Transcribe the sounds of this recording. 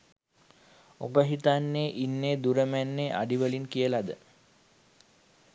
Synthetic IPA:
obəɦit̪anːeːʔinːeːd̪uɾəmænːeːʔa̰ɖiʋəlinkijəlad̪ə

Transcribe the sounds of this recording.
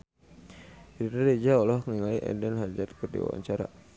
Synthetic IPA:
ɾiɾed͡ʒaɔlɔhŋiŋaliʔɛ̰dɛnɦad͡ʒat̪kərdḭwa̰wa̰ɲt͡ʃaɾa̰

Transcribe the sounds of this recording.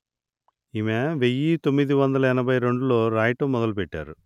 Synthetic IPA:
imeʋejit̪omːid̪iʋɐnd̪ɐlɐinɐbʱɐjɾe̞ɳɖulo̞ːɾaːjʈɐmɔd̪ɐlupɛʈːa̰ːɾu

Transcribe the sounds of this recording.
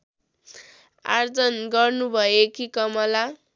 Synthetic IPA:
a̰rd͡zʌnɡʌrnubʱʌekikʌmʌla

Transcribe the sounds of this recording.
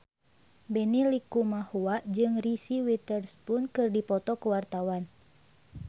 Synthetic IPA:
bɛnilikumahuaʔd͡ʒɨŋrisiwit̪ərspʊnkɨrdipɔt̪ɔkəwart̪awan

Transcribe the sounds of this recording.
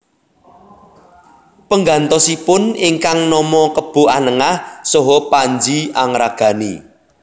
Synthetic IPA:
pəŋɡant̪ɔsipʊniŋkaŋnɔmɔkəb̥o̤anəŋahsɔɦɔpaɲd͡ʒiaŋɾaɡ̥a̤nḭ

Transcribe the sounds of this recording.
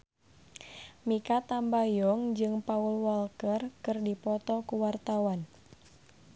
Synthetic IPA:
mikat̪ambajɔŋd͡ʒɨŋpaulwalkərkɨrdipɔt̪ɔkuwart̪awan

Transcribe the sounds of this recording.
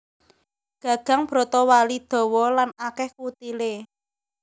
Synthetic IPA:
ɡ̥ä̤ɡ̥a̤ŋb̥ɾo̤t̪ɔwalid̪̥ɔ̤wɔlanakɛhkut̪ile

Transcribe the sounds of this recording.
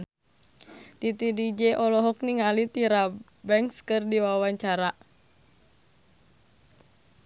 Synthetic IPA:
t̪it̪idid͡ʒɛʔɔlɔɦɔkniŋalit̪iɾa | bɛŋkskɨrdiwawaɲt͡ʃaɾaʔ

